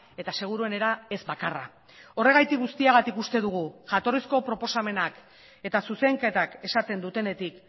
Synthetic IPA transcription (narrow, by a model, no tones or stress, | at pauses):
e̞t̪ase̞ɣ̞uɾue̞ne̞ɾae̞zbakara̰ | o̞re̞ɣajt̪ik̚ɣust̪iaɣ̞at̪ikust̪e̞ðuɣ̞uʝat̪o̞risko̞pɾo̞po̞same̞nak | e̞t̪asuse̞ŋke̞t̪ake̞sat̪e̞nd̪ut̪e̞ne̞t̪ik